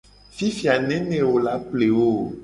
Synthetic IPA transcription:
fi˦fi˨a˨nɛ̃˦nɛ̃˨wo˨la˦k͡ple˨wo˦

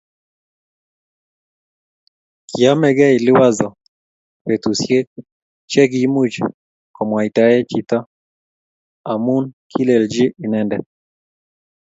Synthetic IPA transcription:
ki˨a˦mɛ˦ɡɛ˦ɪ˨lɪ˦wa˦zɔ˨ | we˨t̪u˨sje˦k̚ | t͡ʃɛ˦ɡi˨mu˦d͡ʒ | kɔ˨mwa˨i˨ta˨ɛ˦t͡ʃi˦t̪ɔ˦ | a˨mu˦nkʰi˦le˨ld͡ʒɪ˦ʔɪ˨nɛndɛ

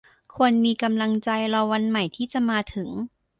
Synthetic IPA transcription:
kʰu˧ənmiː˧ka˧mla˧ŋt͡ɕa˧jɾɔ˧wa˧nma˨˩jt̪ʰiː˥˩t͡ɕa˨˩ʔmaː˧t̪ʰɯ˩˦ŋ

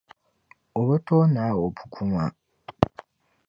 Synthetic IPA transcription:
o˨βu˦to˦na˨˦wo˨pu̥˨kʰu˦ma˨

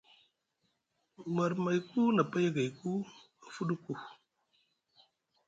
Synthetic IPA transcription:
ma˨ɾma˨jku˦na˨pa˦ja˦ɡa˨jku˦ | a˨fu˦ɗu˦ku˨

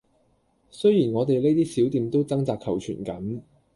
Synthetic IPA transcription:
sɵ˥jiː˨˩nŋɔː˨˧t̪e˨jle˥jt̪iː˥siː˨˥wt̪iː˨˧mt̪o˥wt͡sɐ˥ŋt͡saː˧k̚kʰɐ˨˩wt͡ʃʰy̰ː˨˩nkɐ˨˥n

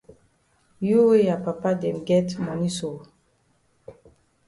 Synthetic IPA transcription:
ju˦we˦a˨pa˨pa˦dɛ̃˨mɡɛ˦tmɔ˨ni˦so˨

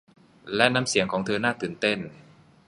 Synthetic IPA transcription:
lɛ˦˥ʔna˧˥msi˩˦ŋkʰɔː˩˦ŋt̪ʰɤː˧naː˥˩t̪ɯː˨˩nt̪e˥˩n

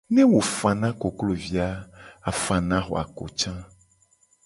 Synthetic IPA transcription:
nɛ̃˦wo˨fã˨nã˦ko˨klo˨vi˨a˦a˨fã˨nã˦xo̰˨a̰˨ko̰˨t͡ʃã˦

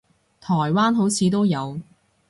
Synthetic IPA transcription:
t̪ʰɔː˨˩jwaː˥nɦo˨˥wt͡sʰiː˨˧t̪o˥wjɐ˨˧w

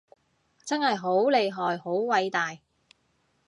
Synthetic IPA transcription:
t͡sɐ˥nhɐ˨jɦo˨˥wle˨˧jɦɔː˨jho˨˥wwɐ˨˧jt̪aː˨j

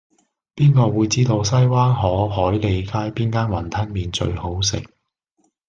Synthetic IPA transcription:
piː˥nkɔː˧wuː˨˧jt͡siː˥t̪o˧wsɐ˥jwaː˥nɦɔː˨˥hɔː˨˥jle˨˧jkaː˥jpiː˥nkaː˥nwɐ˨˩nt̪ʰɐ˥nmiː˨nt͡ʃɵ̰˧ɥho˨˥wsɪ̰˨k̚

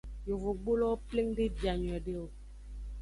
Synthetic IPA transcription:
jo˨vo˨ɡ͡bo˦lɔ˦ple˦ŋdi˦bja˨ɲ˨ɛ˨de˦o˨

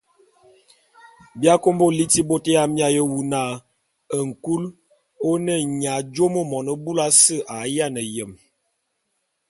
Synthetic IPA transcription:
bja˦ko˦mbo˦li˦ti˦bo˦tə˦ja˦mja˦jə˦wu˨na˦˨ | ə˨ŋ̩˨ku˦l | o˦nə˦˨ɲa˨d͡ʒo˦mə˦mɔ˨nə˦bu˦la˦sə˦˨ʔa˨ja˦˨nə˨jə˨m

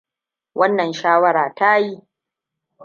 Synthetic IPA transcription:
wʔɐ˦nːɐ˨nʃaː˦wɐ˦ɾaː˨ta˦ji˦

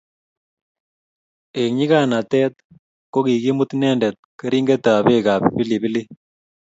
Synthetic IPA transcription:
e˨ŋɲi˦ka˦na˨t̪ɛ˦t̪̚ | ko˦ki˨ki˦mu˦t̪nɛ˦ndɛ˨t̪̚kə˦ɾi˦ŋɡe˦t̪a˨βe˦ka˨pbi˦li˨bi˦li˦

